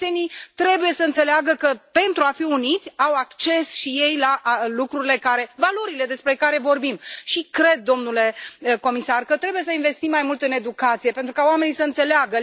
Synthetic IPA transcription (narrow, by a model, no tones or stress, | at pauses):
senit̪ɾe̞buje̞səɨnt̪se̞leaɡəkəpe̞nt̪ɾuafiunit̪sʲawakt͡ʃe̞sʃije̞jlaʔlukɾuɾile̞kaɾe̞valo̞ɾile̞d̪e̞spɾe̞kaɾe̞vo̞rbimʃikɾe̞d̪̚ːo̞mnule̞ko̞misarkət̪ɾe̞buje̞səinve̞st̪imːajmult̪ɨne̞d̪ukat̪sije̞pe̞nt̪ɾukaoame̞nisəɨnt̪se̞leaɡə